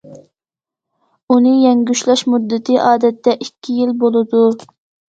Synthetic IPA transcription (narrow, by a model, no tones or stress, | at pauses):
unɨjɛŋɡʲyʃlɛʃmud̪ːɪt̪ʰɪʔɑːd̪ɛt̪ːɛʔikʲʰːijilbolˠɨd̪u